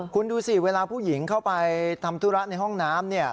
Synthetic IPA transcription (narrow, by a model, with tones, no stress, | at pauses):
kʰu˧nduː˧siː˨˩weː˧laː˧pʰuː˥˩ji˩˦ŋkʰa˥˩wpa˧jt̪ʰa˧mt̪ʰuː˦˥ɾa˦˥na˧jɦɔ˥˩ŋnaː˦˥mni˥˩ɐ